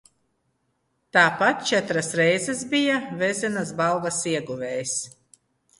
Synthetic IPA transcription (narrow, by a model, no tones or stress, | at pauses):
t̪aːpat̪̚t͡ʃɛt̪ɾasɾɛjzɛsbijavɛzʲɛnasbalˠvasiɛɡuvʲɛːjs